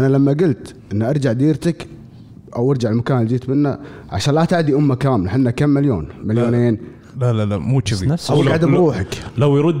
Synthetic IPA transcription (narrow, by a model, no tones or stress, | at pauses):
ʔanalamːaɡʊlt̪ʔɪnːaʔɑɾˤd͡ʒaʕd̪iːɾt̪ak | ʔawʔɑɾˤd͡ʒaʕɪlmʊkaːmld͡ʒ̪iːt̪mɪnːa̰ʕa̰ʃaːnlat̪aʕd̪iʔʊmːakaːmlaħɪnːakːamːɪljoːnmaljoːneːn | lalalamuːt͡ʃɪfiʔawɡaʕd̪abɾuːħaklawjɾʊd̪ː